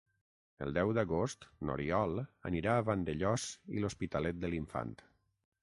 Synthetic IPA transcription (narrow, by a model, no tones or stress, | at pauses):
ə̰lˠd̪ɛwd̪əɣost̪no̰ɾiɔlˠə̰niɾaːβand̪əʎɔzḭlospit̪əlɛt̪̚d̪əliɱfa̰nt̪